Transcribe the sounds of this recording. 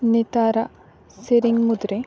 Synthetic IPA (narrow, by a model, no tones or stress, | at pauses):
net̪aːɾa | seɾiŋɡmud̪ɾe